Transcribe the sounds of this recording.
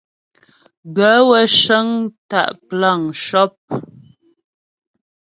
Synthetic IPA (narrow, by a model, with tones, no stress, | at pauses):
ɡə˨˦wə˦ʃə˦ŋta̰˦˨ʔpla˦˨ŋʃɔ˦p̚